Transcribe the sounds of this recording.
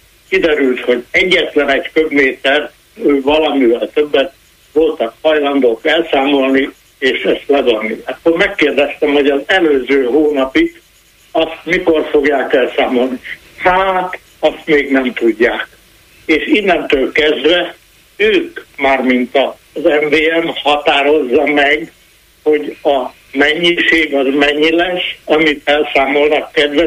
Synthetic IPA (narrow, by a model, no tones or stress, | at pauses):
kid̪ɛɾylt̪ho̞ɟɛɟːɛt̪lɛnɛɟkøbmeːt̪ɛrt̪ | øːvɒlɒmivɛlt̪øbːɛt̪̚ | ʋo̞lt̪ɒkhɒjlɒnd̪oːkɛlsaːmo̞lni | eːʃɛst̪lɛbonːiɒk̪ːoɾmɛkːeːrd̪ɛst̪ɛmho̞ɟɒzɛløːzøːɦoːnɒpik | ɒst̪miko̞rfo̞ɡjaːkɛlsaːmo̞lni | haːt̪ | ɒst̪meːɡnɛmt̪uɟːaːk̚ | eːʃinːɛnt̪øːlkɛzd̪ʋɛ | øːkmaːrmint̪ɒ | zɛɱveːɛmhɒt̪aːɾo̞zːɒmɛɡ | ho̞ɟɒ | mɛɲːiʃeːɡɒzmɛɲːilɛʃɒmit̪ɛlsaːmo̞lnɒkːɛd̪ʋɛ